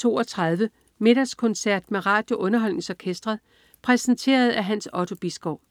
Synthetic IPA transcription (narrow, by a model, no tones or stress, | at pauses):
t͡sʰo̝̰ːɒt͡sʰʁɑ̈ð̞ˠʋə | me̝ɾ̥ɐskʰɔ̽nsæɐ̰d̥meʁɑ̈ːd̥jo̝ʔɔ̽nɐɦɒ̽l̰ne̝ŋsɒkʰesd̥ʁɐðˠ | pʰʁɛsn̩t͡sʰe̝̰ːɐð̞̩ˠæɦænsɒ̽t͡sʰo̝b̥isɡ̥ɒʊ̰